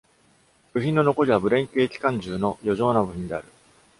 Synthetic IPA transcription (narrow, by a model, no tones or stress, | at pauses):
b̥ɯ̟çʲĩnːo̞noko̞ɾʲiβabɯ̟ɾẽ̞ŋkʲɯekʲi̥kãɲ̟d͡ʑɨːno̞jo̞ʑo̞ːnabɯ̟çĩnd̪e̞a̰ɾɯ̟